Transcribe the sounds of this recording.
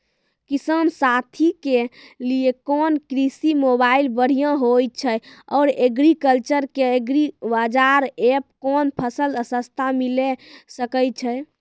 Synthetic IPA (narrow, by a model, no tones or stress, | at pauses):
kisəmsat̪ʰikeliekɔnkɾisimobailbəɽ̤ijə̃ɦoj̚t͡ʃʰəjɔɾeɡɾikəlt͡ʃəɾkeeɡɾibad͡ʒaɾep̚kɔnpʰəsələsəst̪ʰamilesəkəj̚t͡ʃʰəj